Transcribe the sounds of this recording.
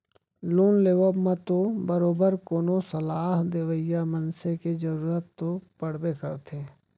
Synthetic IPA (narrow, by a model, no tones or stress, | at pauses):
luːnleːʋəbmat̪obəɾoːbəɾkoːnosəlaːɦd̪eʋəjamənseked͡ʒəɾuːɾət̪ːopəɽ̤bekəɾt̪ʰẽː